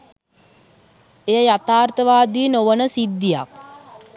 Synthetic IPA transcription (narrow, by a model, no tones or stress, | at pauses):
ejəjat̪aːrt̪əʋaːd̪inoʋənəsid̪ːija̰k̚